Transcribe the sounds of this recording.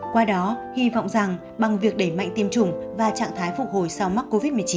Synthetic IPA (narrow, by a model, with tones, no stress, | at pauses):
kwaː˧ɗɔ˨˦hi˧va̰˧˨wŋ͡mza˨˩ŋ | ɓa˨˩ŋvi˨˩ək̚ɗe˧˩jma̰˧˨ŋt̪i˧əmt͡ɕʊ˨˩ŋ͡mvaː˨˩t͡ɕa̰ː˧˨ŋt̪ʰaː˨˦jfʊ˨˩k̚ho˨˩jsa˧wma˦˥t̚kːo˧vi˦˥t̚mɨ˨˩ət͡ɕi˨˦